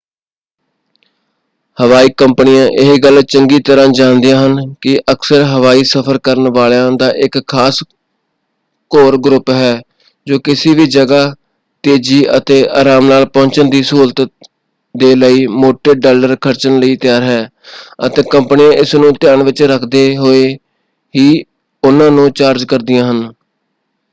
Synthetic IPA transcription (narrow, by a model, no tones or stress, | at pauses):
həʋaːiːkəmpnɪjãːʔɪɦiɡəlt͡ʃəŋɡiːt̪əɾãːd͡ʒãːnd̪ɪjãːɦənkɪʔəksəɾɦəʋaːiːsəpʰəɾkəɾənʋaːljãːd̪aːʔɪkʰːaːs | koːɾɡɾʊpɦɛː | d͡ʒoːkɪsiːʋiːd͡ʒəɡaː | t̪eːd͡ʒiːət̪eːʔa̰ːɾaːmnaːlpɔ̃ːɲt͡ʃənd̪iːsuːlt̪ | d̪eːləiːmoːʈeːɖaːləɾkʰəɾt͡ʃənləiːt̪ɪjaːɾɦɛː | ət̪eːkəmpnɪjãːʔɪsnũːt̪ɪjaːnʋɪt͡ʃɾəkʰd̪eːɦoːeː | ɦiː | ʊnãːnũːt͡ʃaːɾd͡ʒkəɾd̪ɪjãːɦən